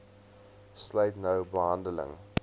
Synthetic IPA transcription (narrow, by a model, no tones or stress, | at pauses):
sleɪtnəʊbəɦãndələ̰̃ŋ